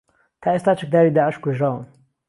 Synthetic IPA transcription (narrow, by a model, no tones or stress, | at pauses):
t̪ʰaːʔest̪aːt͡ʃək̚d̪aːɾiːd̪aːʕɪʃkʷweʒɾaːwən